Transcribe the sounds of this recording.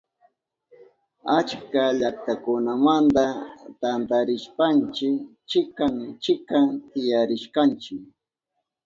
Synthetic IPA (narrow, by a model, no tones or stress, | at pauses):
at͡ʃkaʎakt̪akʊnamant̪at̪ant̪aɾɪʃpant͡ʃɪk | t͡ʃɪkaŋt͡ʃɪkat̪ɪjaɾɪʃkant͡ʃɪk